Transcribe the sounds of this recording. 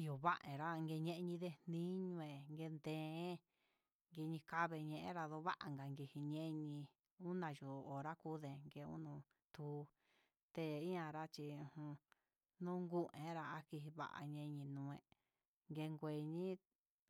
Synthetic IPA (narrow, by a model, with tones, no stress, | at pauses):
jo˨βa˦ʔẽ˨ɾa˦˧ŋɡe˧ɲẽ˦˧ʔɲĩ˧ðe˧nĩ˦ɲũ˧ẽ˨ŋɡe˧nd̪ẽ˧˦ | ŋɡe˧ɲĩ˧ka˦βe˧ɲẽ˧ʔɾa˧ðo˧βa˦ʔa˧ŋɡa˨ŋɡe˧hi˧ɲẽ˦ʔɲĩ˧ | u˦nã˧˨ʒo˨o˨ɾa˦ku˦ðe˨ŋɡe˧ṵ˦nũ˧ | t̪u˧˦˧ | t̪e˧i˦ɲã˧ɾa˦t͡ʃi˧ũ˧hũ˧ | nũ˦ŋɡu˦ʔẽ˨˦ɾa˧a˧ki˧ɦi˧βa̰˦ʔa̰˧ɲẽ˧ɲĩ˧nũː˧ẽ˧ | ŋɡe˧ŋɡʷe˧˨ɲĩ˦